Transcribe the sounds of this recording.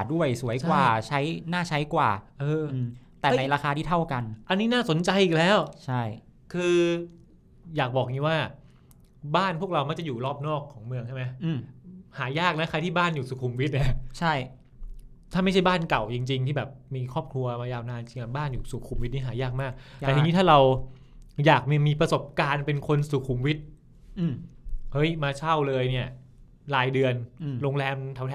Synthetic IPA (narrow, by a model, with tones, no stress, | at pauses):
du˥˩əjsu˨˩˦əjwaː˩˨˩t͡ɕʰa˦˥jnaː˥˩t͡ɕʰa˦˥jkwa̰ː˨˩ʔɤː˧t̪ɛː˨˥˩na˧jɾaː˧kʰaː˧t̪ʰiː˥˩t̪ʰa˥˩wka˧nʔa˧nːiː˦˥naː˥˩so˩˦nt͡ɕa˧jʔiː˨˩k̚lɛː˦˥wt͡ɕʰa˥˩j | kʰɯː˧ | jaː˨˩k̚bɔː˨˩k̚ŋiː˧˦waː˥˩ | baː˥˩npʰu˥˩ək̚ɾa˧wma˦˥k̚t͡ɕa˨˩juː˨˩lɔː˥˩p̚nɔː˥˩kʰːɔː˩˦ŋmɯ˧əŋt͡ɕʰa˥˩ma˦˥jɯː˧˩haː˩˦jaː˥˩k̚na˦˥kʰa˧jt̪ʰiː˥˩baː˥˩njuː˨˩suː˨˩kʰu˧mwi˦˥t̪̚ni˥˩˦t͡ɕʰa˥˩j | t̪ʰaː˥˩ma˥˩t͡ɕʰa˥˩jbaː˥˩nka˨˩wt͡ɕi˧ŋt͡ɕi˧ŋt̪iː˥˩bɛː˨˩p̚miː˧kʰɔː˥˩p̚kʰlu˧ɐmaː˧jaː˧wnaː˧nt͡ɕi˧ŋʔa˨˩baː˥˩njuː˨˩suː˨˩kʰu˧mwi˦˥t̪̚niː˦˥ɦaː˩˦jaː˥˩k̚maː˥˩k̪̚ɛː˨˩˧niː˦˥aː˥˩ɾa˧w | jaː˨˩k̚mi˥˩miː˧pɾa˧so˨˩p̚kaː˧npe˧nkʰo˧nsuː˨˩kʰuː˧mwi˦˥t̪̚ | hɤ˦˥jmaː˧t͡ɕʰa˥˩wlɤː˧jni˥˩ɐ | laː˧jdɯ˧ənɾoː˧ŋlɛː˧mt̪ʰa˧˩˦wtʰ